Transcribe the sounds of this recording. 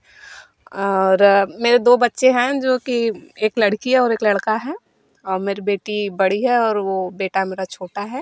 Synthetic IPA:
ɔːɾmeːɾed̪oːbɐtːʃeɦɛ̃d͡ʒoːkieːklɐɽkiɦɛɔːɾeːklɐɽkaɦɛː | ɔːɾmeːɾibeːʈibɐɽiɦɛɔːɾʋobeːʈameːɾat͡ʃʰoːʈaɦɛː

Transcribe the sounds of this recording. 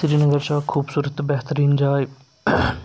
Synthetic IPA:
sɾinəɡəɾsaːkʰuːbsuːɾət̪ːbɛɦt̪əɾĩːnd͡ʒaːj

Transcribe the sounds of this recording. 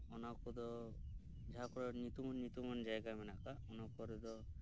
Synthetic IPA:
ɔnakɔd̪ɔ | d͡ʒakɔɾɔnit̪umɔnːit̪umɔnd͡ʒajɡamɛnakaɔnakɔɾɛd̪ɔ

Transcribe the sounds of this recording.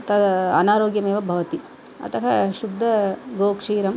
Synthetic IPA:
t̪ɐd̪ɐnaːɾoːɡjɐmeːʋɐbʱɐʋɐt̪i | ɐ̰t̪ɐɦɐʃud̪ʱːɐɡoːkʂiːɾɐm

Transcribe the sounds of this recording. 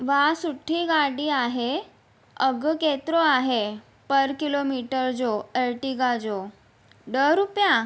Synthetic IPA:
ʋasuʈʰːiɡaɽiːaɦe | əɡket̪ɾoaɦe | pəɾkilomiʈəɾd͡zoəlʈiɡad͡zo | ɖəɾupja

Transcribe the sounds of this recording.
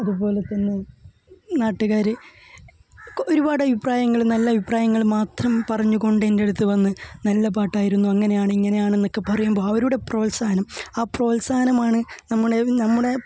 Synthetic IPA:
ɐðubo̞ːle̞t̪ːɐnːe | naːʈːuɣaːɾɨ | o̞ɾubaːɽɨɐbipraːjɐŋːɐɭnɐlːɐbʱipraːjɐŋːɐɭmaːt̪rɐmpɐrɐɲːuɣo̞ɳɖende̞ɽut̪ːɨʋɐnːɨnɐlːɐpaːʈːaːjiɾunːuɐŋːɐne̞jaːɳɨiŋːɐnejaːɳe̞nːo̞kːe̞pɐrɐjumbo̞ːɐʋɐɾuɽe̞pro̞ːlsaːnɐmaːpro̞ːlsaːnɐmaːɳɨnɐmːuɽe̞nɐmːuɽe̞

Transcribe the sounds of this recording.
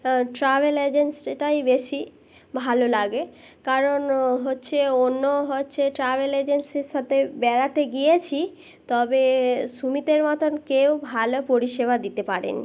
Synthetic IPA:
ʈɾabeled͡ʑensʈajbeʃi | bʱalolaɡe | kaɾonɦotːɕʰeonːoɦotːɕʰeʈɾabeled͡ʑensiʃɔt̪ebɛɾat̪eɡijet͡ɕʰi | t̪ɔbeʃumit̪eɾmat̪ʰonkewbʱalopoɾiʃeβad̪it̪epaɾḛnḭ

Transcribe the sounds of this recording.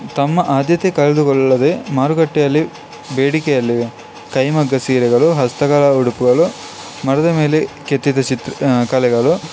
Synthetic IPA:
t̪ɐmːɐʔaːd̪jɐt̪ekɐɭɐd̪ukɔɭːɐːɐd̪emaːɾuɡɐʈːɛjɐlːi | beːɽikɛjɐlːi | kɐjmɐɡːɐsiːɾɛɡɐɭuɦɐst̪ɐɡɐːlɐuɽupuɡɐɭu | mɐɾɐd̪ɐme̞ːleket̪ːid̪ɐt͡ʃit̪ɾkɐlɛɡɐɭu

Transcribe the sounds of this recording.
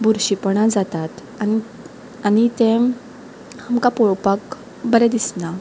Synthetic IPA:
buɾɕipɳad͡zat̪at̪ | ai | anit̪ẽ | hamkapɔɭpak | bəɾɛd̪isna

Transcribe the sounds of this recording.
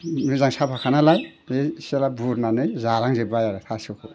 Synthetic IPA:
nɯzaŋsapʰakʰanalajeselabuɾnanɯjzaɾaŋzebajaɾɯt̪ʰasɯkʰu

